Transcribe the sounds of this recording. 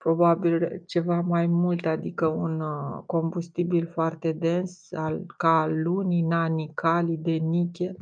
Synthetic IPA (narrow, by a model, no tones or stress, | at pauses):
pɾo̞babilt͡ʃe̞vamajmult̪ad̪ikəunko̞mbust̪ibilfoart̪e̞d̪e̞nsalkaːuninanikalid̪e̞nikʲel